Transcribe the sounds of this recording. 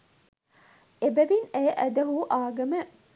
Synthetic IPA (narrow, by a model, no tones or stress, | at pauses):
ebæʋineːʔæd̪ɐɦuʔaːɡɐmə